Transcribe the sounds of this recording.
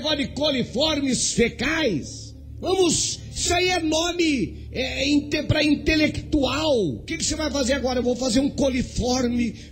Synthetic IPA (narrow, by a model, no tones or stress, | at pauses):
ɡɔd̪ɪkolifɔɾmɪsfekajs | vɐ̃mʊz | saiɛnõmɪ | ɛĩt̪epɾɐĩnt̪elekt̪uawʊkɪkɪ̥sevajfazeɾaɡɔɾɐewvowfazeɾũkolifɔɾmɪ